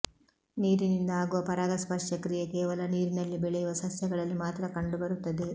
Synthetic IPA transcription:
niːɾinind̪ɐaːɡuʋɐpɐɾaːɡɐspɐʂjɐkɾijekɛːʋɐlɐniːɾinɐlːibɛɭɛjuʋɐsɐsjɐɡɐɭɐlːimaːt̪ɾɐkɐɳɖubɐɾut̪ːɐd̪e̞

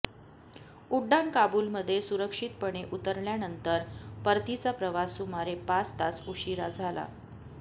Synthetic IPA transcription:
uɖːankabulməd̪ʱːjesuɾəkʂit̪̚pəɳeʔut̪əɾljanənt̪əɾpəɾt̪it͡sapɾəʋasumaɾepast̪at͡suɕiɾad͡zʱala̰

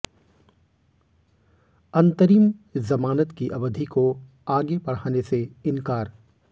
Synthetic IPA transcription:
ɐ̃nt̪əɾiːmzɐmaːnət̪kiʔɐbəd̪ʱiko | aːɡepɐɽ̤aːneseɪnkaːɾ

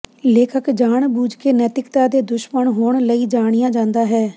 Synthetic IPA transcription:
leːkʰəkd͡ʒaːɳbuːd͡ʒkeːnɛːt̪ɪkt̪aːd̪eːd̪ʊʃməɳɦoːɳləiːd͡ʒaːɽɪjãːd͡ʒãːnd̪aːɦɛː

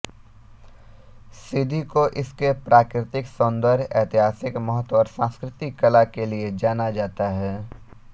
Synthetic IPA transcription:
sɪd̪ʱikoʔɪskepɾaːkɾɪt̪ɪksõːnd̪əɾjɛːt̪ɪɦaːsɪkmɔɦət̪ɔːɾsãːskɾɪt̪ɪkːɐlakelied͡ʒaːnad͡ʒaːt̪aɦɛː

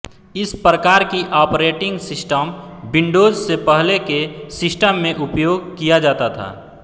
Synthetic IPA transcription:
ɪspɾəkaːɾkiʔaːpɾeːʈɪ̃ŋɡsɪsʈəmbɪ̃ɳɖoːzsepəɦlekesɪsʈəmːẽʔʊpjoːɡkijad͡ʒaːt̪at̪ʰa̰ː

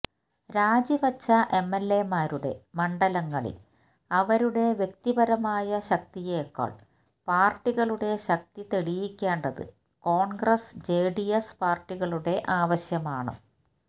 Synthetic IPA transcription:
ɾaːd͡ʑibɐt͡ɕːɐʔe̞mːelːe̞maːɾuɽe̞̰mɐɳɖɐlɐŋːɐɭḭl | ɐʋɐɾuɽe̞ʋje̞k̚t̪ibɐɾɐmaːjɐɕɐk̚t̪ijeːkːo̰ːɭ | paːrʈːiɣɐɭuɽe̞ɕɐk̚t̪it̪eɭijikʲːeːɳɖɐðɨ̰ | ko̞ːɳɡrɐsd͡ʑe̞ːɖiespaːrʈːiɣɐɭuɽe̞ʔaːʋɐɕjɐmaːɳɨ̰

